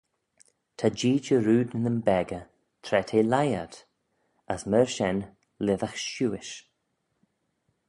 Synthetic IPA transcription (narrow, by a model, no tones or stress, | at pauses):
t̪ʰad͡ʒiːd͡ʒəɾuːd̪ɪnəmbɛɡə | t̪ʰɾɛt̪ʰeːlajad̪ | əsməɹʃɛn | lɪðəxʃuːɪʃ